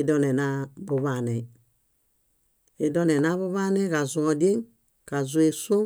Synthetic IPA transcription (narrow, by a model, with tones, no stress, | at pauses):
e˨dɔ˦nɛ˨na˦bo˨βa˨nɛ˨ | e˨dɔ˦nɛ˨na˦βo˦βa˦nɛ˦ka˨zu˨ɔ˨de˦ | ka˨zu˨e˨so˦